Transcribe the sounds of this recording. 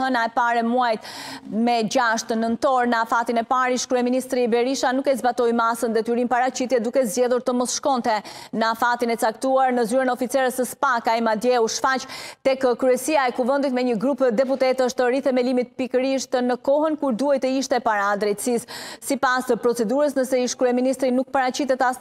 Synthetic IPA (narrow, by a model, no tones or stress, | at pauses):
ɦənaɛpaɾɛmuajt̪mɛd͡ʑaʃt̪ənənt̪ɔɾnəafat̪inɛpaɾiʃkɾyɛminist̪ɾibɛɾiʃanukɛzbat̪ɔjmasənd̪ɛt̪yɾinpaɾat͡ɕit̪jɛd̪ukɛzd͡ʒɛðuɾt̪əmɔsʃkɔnt̪ɛnəafat̪inɛt͡sakt̪uaɾnəzyɾənɔfit͡sɛɾəsəspakaimad̪jɛuʃfat͡ʃt̪ɛkəkɾyɛsiaɛkuvənd̪it̪mɛɲəɡɾupd̪ɛput̪ɛt̪əʃt̪əɾiθɛmɛlimit̪̚pikəɾiʃt̪ənəkɔɦənkuɾd̪uajt̪əiʃt̪ɛpaɾaːd̪ɾɛt̪sisːipasəpɾɔt͡sɛd̪uɾəsnəsɛiʃkɾyɛminist̪ɾinuk̚paɾat͡ɕit̪ɛt̪as